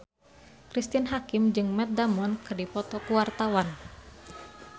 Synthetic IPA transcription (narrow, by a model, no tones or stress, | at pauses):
kɾist̪inɦakimd͡ʒɨŋmɛt̪̚damɔnkɨrdipɔt̪ɔkuwart̪awan